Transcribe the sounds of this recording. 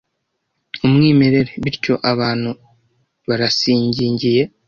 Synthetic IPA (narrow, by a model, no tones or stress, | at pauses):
umŋiːme̞ɾe̞ɾe̞βiɾco̞ʔaβaːn̥hu | βaɾasiːɲɟiːɲɟije̞